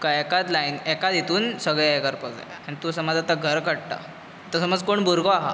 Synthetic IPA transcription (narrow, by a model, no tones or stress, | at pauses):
kaɛkad̪lainɛkad̪it̪ʰuːnsəɡɭjekəɾpəd͡za̰ja̰añit̪usəmad͡zat̪aɡʱəɾkəɽʈ̪a̰ | t̪əsəməd͡zkoɳbʱuɾɡoaɦa̰